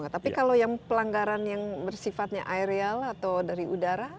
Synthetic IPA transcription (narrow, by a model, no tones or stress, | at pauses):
ŋat̪apikalojaŋpəlaŋɡaɾanjaŋbərsifat̪̚ɲa̰ʔajɾealat̪awdaɾiʔudaɾa